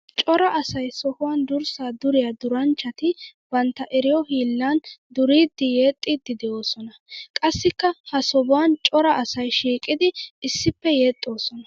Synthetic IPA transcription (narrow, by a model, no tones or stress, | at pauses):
t͡ʃʼɔɾɐʔɐsɐjsɔhʊwɐnd̪ʊɾsaːd̪ʊɾɪjad̪ʊɾɐnt͡ʃːɐt̪ɪbɐnt̪ːɐʔɛɾɪjɔhiːlːand̪ʊɾiːd̪ːɪjeːt̪ʼːid̪ːɪd̪ɛʔo̞ːsɔnɐkʼɐsːɪkːɐhɐsɔbʊwant͡ʃʼɔɾɐʔɐsɐjʃiːkʼːɪd̪ɪɪsːɪpːɛje̞ːt̪ʼːo̞ːsɔnɐ